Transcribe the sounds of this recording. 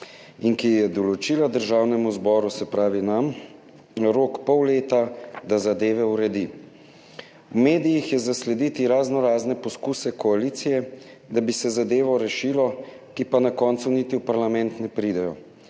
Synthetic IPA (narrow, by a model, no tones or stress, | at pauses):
inkijɛd̪ɔlɔt͡ʃiːlad̪əɾʒawnɛmuzbɔːɾusɛpɾaːʋinam | ɾoːkpɔwleːt̪ad̪azad̪eːʋɛuɾɛd̪i | wmeːd̪ijixjɛzaslɛd̪it̪iɾaznɔɾaːznɛpɔskuːsɛkɔaliːt̪sijɛ | d̪abisɛzad̪eːʋɔɾɛʃiːlɔ | kipanakɔːnt̪sunit̪iwpaɾlamɛnt̪nɛpɾiːd̪ɛjɔ